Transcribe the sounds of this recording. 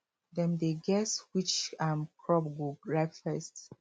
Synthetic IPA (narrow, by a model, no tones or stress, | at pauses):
dɛ̃mdeɡɛswit͡ʃãmkʰɹɔp̚ɡuɹaɪkfɛst